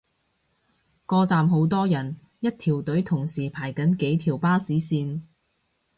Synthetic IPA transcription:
kɔː˧t͡saː˨mɦo˨˥wt̪ɔː˥jɐ˨˩n | jɐ˥t̚t̪ʰiː˨˩wt̪ɵ˨˥ɥt̪ʰʊ˨˩ŋsiː˨˩pʰaː˨˩jkɐ˨˥nke˨˥jt̪ʰiː˨˩wpaː˥siː˨˥siː˧n

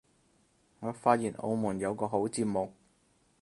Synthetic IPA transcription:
ŋɔː˨˧faː˧t̚jiː˨˩nʔo̰˧wmuː˨˩njɐ˨˧wkɔː˧ɦo˨˥wt͡siː˧p̚mo˨k̚

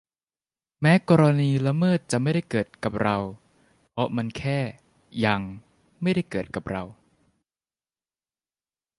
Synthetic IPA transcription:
mɛː˦˥kɔː˧ɾa˧niː˧la˧˥mɤː˥˩t̪̚t͡ɕa˨˩ʔma˥˩jda˥˩jkɤː˨˩t̪̚ka˨˩p̚ɾa˧w | pʰɾɔ˦˥ma˧nkʰɛː˥˩ | ja˧ŋ | ma˥˩jda˥˩jkɤː˨˩t̪̚ka˨˩p̚ɾa˧w

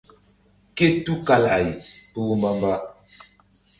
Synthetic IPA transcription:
ke˦tu˦ka˨la˨ji˨pə˦wu˦mba˦mba˦

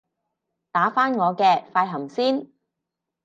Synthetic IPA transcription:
t̪aː˨˥faː˥nŋɔː˨˧kɛː˧faː˧jɦɐ˨˩msiː˥n

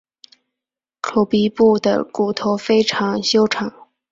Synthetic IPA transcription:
ʈ͡ʂʰu˨˧˩pi˧˥pu˥˩d̪ə̰˩ku˨˩t̪ʰo˧˥ʊfe˥ɪʈ͡ʂʰɑ˧˥ŋɕjo˥ʊʈ͡ʂʰɑ˨˩˦ŋ

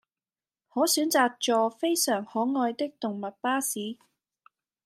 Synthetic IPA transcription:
hɔː˨˥syː˨˥nt͡saː˨˧k̚t͡ʃɔː˧fe˥jsœː˨˩ŋhɔː˨˥ŋɔː˧jt̪ɪ˥k̚t̪ʊ˨ŋmɐ˨t̚paː˥siː˨˥

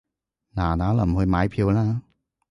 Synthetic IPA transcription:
naː˨˩naː˨˥lɐ˨˩m˨hɵ˧jmaː˨˧˥jpʰiː˧wlaː˥

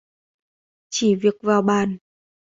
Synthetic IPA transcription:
t͡ɕi˧˩˦vi˨˩ək̚vaː˨˩wɓaː˨n

